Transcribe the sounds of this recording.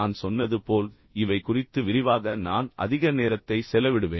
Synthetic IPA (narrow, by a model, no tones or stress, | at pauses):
aːnsɔnːɐðɯpoːl | ɪʋɐɪkʊrɪt̪ːɯʋɪɾɪʋaːɣɐnaːnʔɐ̰ðɪɣɐneːɾɐt̪ːɐɪsɛlɐʋɪɽɯʋḛː